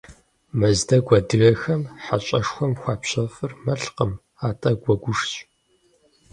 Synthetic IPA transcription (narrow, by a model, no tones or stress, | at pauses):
mɐzdɐɡʷɐdɨɣɐxɐmħat͡ʃʼɐʂxʷɔmxʷɑːpɕɐfɨrmɐɬqəm | aːtʼɐɡʷɔɡʷʊʂɕʼ